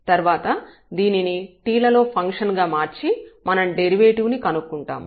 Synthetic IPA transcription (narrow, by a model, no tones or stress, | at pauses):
t̪ɐɾʋaːt̪ɐ | d̪iːniniʈiːlɐlo̞ːpʰɐŋkʂɐnɡaːmaːɾt͡ʃimɐnɐmɖeɾiʋe̞ːʈiʋnikɐnukːuɳʈa̰ːm